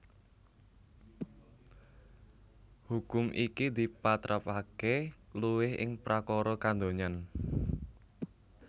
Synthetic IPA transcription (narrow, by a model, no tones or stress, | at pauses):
hukʊmʔikid̪i̤pat̪ɾapakeluwɪhʔɪ̰ŋpɾʔakɔɾɔkand̪oɲan